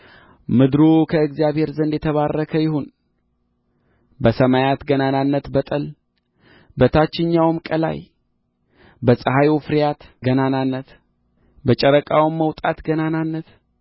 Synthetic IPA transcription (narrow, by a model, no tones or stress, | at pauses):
mɨd̪ɾukʰəɨɡzijaβhe̞ɾzənd̪jɛt̪ʰəβarːəkʰəjɪhun | bəsəmajat̪ɡənananːət̪bət̪ʼəl | bət̪ʰat͡ʃːɪɲːawmkʼəla̰j | bəsʼəɦajfɨɾijat̪ɡənananːət̪ | bət͡ʃʼəɾəkʼawmːəwt̪ʼat̪ɡənananːət̪